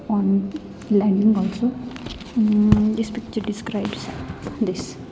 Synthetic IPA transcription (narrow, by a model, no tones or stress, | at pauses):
ɔn | laɳiŋɔlso | despikt͡ʃəɾɖiskɾajbsd̪is